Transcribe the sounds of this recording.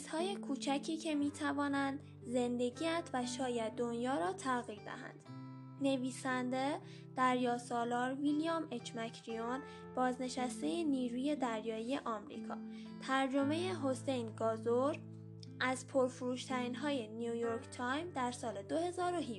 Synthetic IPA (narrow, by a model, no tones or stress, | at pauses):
z̥hɒːje̞kʰuːt͡ʃʰæcʰiːcʰe̞miːt̪ʰævɒːnænd̪ | ze̞nd̪e̞ɟiːæd̪væʃɒːjæd̪̚ːo̞njɒːɾɒːt̪ʰæɣiːɾd̪æ̰hæ̰nd̪̥ | ne̞viːsænd̪e̞ | d̪̥æɾjɒːsɒːlɒːɾvilijɒme̞t͡ʃmæcʰɾio̞n | b̥ɒːzne̞ʃæst̪e̞jeniːɾuːje̞d̪æɾjɒːije̞ʔɒːmɾḭːkʰɒ̰ː | t̪ʰæɾd͡ʒo̞me̞jeɦo̞se̞jnɡɒːzoɾ | ʔæzpʰoɾfuɾuːʃt̪ʰæɾiːnɦɒːje̞nijujoɾkʰt̪ʰɒjmd̪æɾsɒːled̪ohe̞zɒːɾoɦi